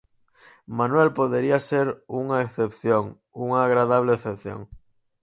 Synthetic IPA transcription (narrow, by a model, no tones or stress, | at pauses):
mãnwelpoðeɾiaseɾuŋaeθepθjoŋ | uŋaːɣɾaðaβ̞leːθepθjo̰ŋ